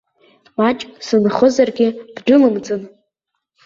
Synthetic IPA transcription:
mat͡ʃʼsɨnχəzarɡʲɪb̥dʊlɨmd͡zɨn

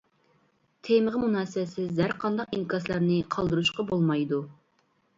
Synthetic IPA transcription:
t̪ʰeməʁəmunɑːsɪbɛsɪzæɾqʰɑnd̪ɑqinkʰɑslˠɑɾnɨqʰɑlˠd̪ɨɾuʃqɑbolˠmɑjd̪u

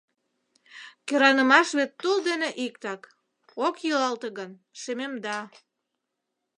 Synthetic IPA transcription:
keɾɑnəmɑʃβet̪ːuld̪eneʔikt̪ɑk | okjylɑlt̪eɣən | ʃememd̪ɑ

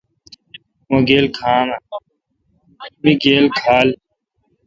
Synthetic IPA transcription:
moɡeːlkʰaːma | miɡeːlkʰaːl

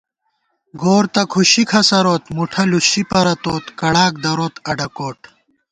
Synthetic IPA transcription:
ɡoːɾt̪ɐkʰuɕikʰɐsɐɾoːt̪muʈʰɐluɕipɐɾɐt̪oːt̪kɐɽaːk̚d̪ɐɾoːt̪ɐɖɐkoːʈ

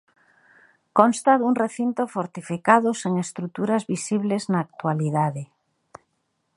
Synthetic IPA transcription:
konst̪aðuŋreθint̪ofoɾt̪ifikaðoseŋest̪ɾut̪uɾazβisiβleznaːk̚t̪waliðaðe

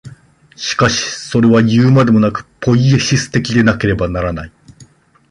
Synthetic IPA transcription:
ɕi̥kaɕi̥so̞ɾe̞βajɯːmad̪e̞mo̞nakɯ̟̥pʰo̞ie̞ɕisɨ̥t̪e̞kʲid̪e̞nake̞ɾe̞banaɾanai

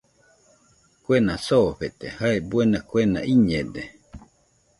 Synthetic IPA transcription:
kwenasoɸet̪ehaebwenakwenã̰ʔiɲẽd̪e

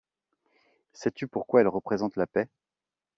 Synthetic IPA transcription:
sɛt̪ypuʁkwaɛlʁəpχezɑ̃t̪lapɛ

